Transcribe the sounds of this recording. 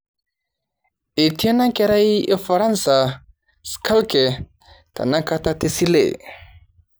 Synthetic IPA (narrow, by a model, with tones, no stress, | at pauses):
i˨tʰi˦a˦na˦ke˦ɾa˦je˦fa˨ɾa˦nsa˨ | skʰa˦lkɛ˨ | ta̰˨na˦ka˦ta˦t̪e˦si˦lḛ˨